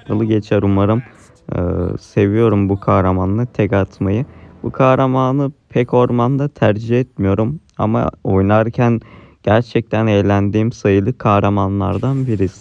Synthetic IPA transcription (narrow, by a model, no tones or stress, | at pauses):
ɯlˠɯɟe̞t͡ʃʰæɾumaɾɯm | ɯ̰se̞vijo̞ɾumbukʰahɾamanːˠɯt̪ʰɛkat̪ʰmajɯbukʰahɾamaːnɯpʰɛco̞ɾmand̪at̪ʰæɾd͡ʒiɛt̪mijo̞ɾum | a̰ma̰o̞jnaɾcʰænɟ̥æɾt͡ʃʰɛc̚t̪ʰænejlʲænd̪iːmsajɯlˠɯkʰahɾamanlˠa̰ɾd̪anbiɾis